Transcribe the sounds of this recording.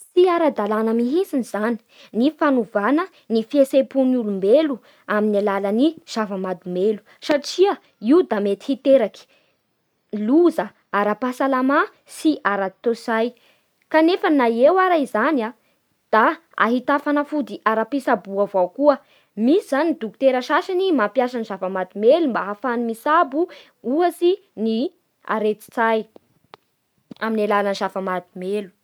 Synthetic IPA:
siaɾad̪alanəmiɦisinizani̥ | nifanuvanə | nifiesepunulumbelu | aminalaləniz̥avəmad̪umelu̥ | saʈ͡ʂiə | iud̪amet̪i̥hit̪eɾaki̥ | luzə | aɾapasalama | siʔaɾat̪osaj | kanefənajewaɾaizana | d̪̥a | a̰ɦit̪afanafud̪iʔaɾapisabuavawkuə | misizanid̪uku̥t̪eɾəʃaʃanimampjasanizavamad̪imelumbaɦafanimisabu | uasi | ni | a̰ɾet͡si̥t͡saj | aminalalaniʃafamad̪imelu̥

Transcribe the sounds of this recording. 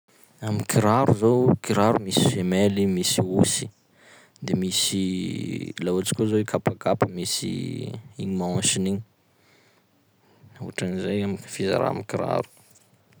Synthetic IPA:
amikiɾaɾuzowkiɾaɾumisi̥femelimisiusi̥ | d̪emisi | laat͡si̥kʲozoikʰapakapəmisḭiɲimaãʃiniɲ | auʈ͡ʂanizejamifiza̰ɾa̰mikiɾa̰ɾu̥

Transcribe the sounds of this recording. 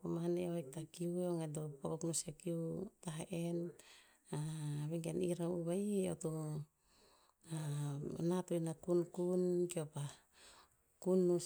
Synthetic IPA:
komaneoajk̚takiueoŋedopokoknusekiutaɦaʔen | aβeŋɡaniɾawuβaio̰tu | anatojnakunkunkiopa | kunːu

